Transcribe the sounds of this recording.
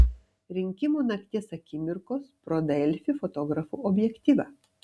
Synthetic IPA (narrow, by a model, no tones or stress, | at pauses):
ɾʲɪŋʲkʲɪmunɐkʲt̪ʲeːsɐkʲɪmʲɪɾkoːspɾod̪ɛlʲfʲɪfot̪oːɡɾɐfṵːɔbʲjɛkʲt̪ʲiːʋʲɑː